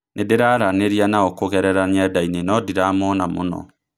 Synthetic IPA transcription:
nʔedeɾaːɾaneɾianaɔkoɣɛɾɛɾaɲɛdainenɔdiɾaːmɔnamo̰nɔ̰

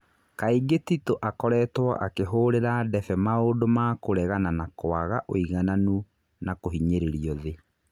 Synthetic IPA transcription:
kaiɡetitoʔakɔɾɛːtwa̰ʔakeɦoːɾeɾadɛfɛmaodomakoɾɛɣananakoaɣaʔoiɣananu | nakoɦiɲeɾeɾiɔðe

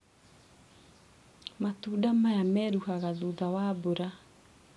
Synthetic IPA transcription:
matudamaeameɾuhaɡaludawaboɾa

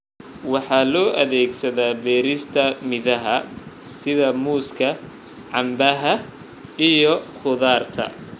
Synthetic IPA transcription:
wɑħɑːlɔːʔɐðɛːɡsɐðaːbɛːɾɪst̪ʰɐmɪðɐɦɐ | sɪðɐmuːskʰɐ | ʕɑmbɐɦɐ | ijɔχʊðaːrt̪ʰɐ̰

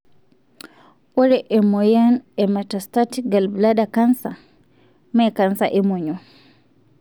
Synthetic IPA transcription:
ʔɔɾɛʔɛmɔjanɛmatastatɡalbladakansa̰ | makansa̰ʔɛmɔɲɔ

